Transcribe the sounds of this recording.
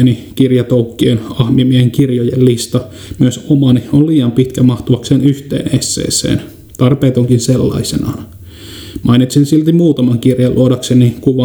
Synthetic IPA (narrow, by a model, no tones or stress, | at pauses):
nikirjɑt̪oukːienɑhmimieheŋkirjojellːist̪ɑ | myøsomɑniolliːɑmpit̪kæmɑht̪uʋɑkseːnyht̪ḛːnesːḛːsḛːn | t̪ɑrpeːt̪oŋkinselːɑ̰isenɑ̰ːn | mʔɑinit̪sensilt̪imuːt̪ɑmɑŋkirjɑlʔṵodɑksenikuʋɑ